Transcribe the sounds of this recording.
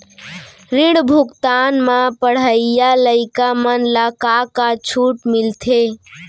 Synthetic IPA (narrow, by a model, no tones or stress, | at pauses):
ɾiɽbʱukt̪anmãpəɽ̤əɪjaləɪkamənləkakat͡ʃʰuʈmilt̪ʰe